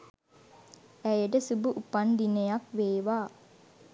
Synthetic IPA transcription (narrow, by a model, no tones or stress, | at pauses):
æjeɖəsubuʔupand̪inejakʋeːʋaː